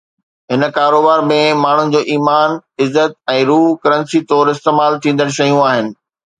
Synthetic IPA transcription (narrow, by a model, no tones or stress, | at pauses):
ɦɪnə̆kaːɾoːbaːɾmẽmaːɳ̤ʊnɪ̆d͡ʑoːʔiːmaːnɪzːət̪̚ɛ̃ːɾuːɦkɐɾə̃nsit̪ɔːɾɪst̪eːmaːlt̪ʰĩːn̆d̪əɽ̃ɕɐijũaːɦɪnɪ̆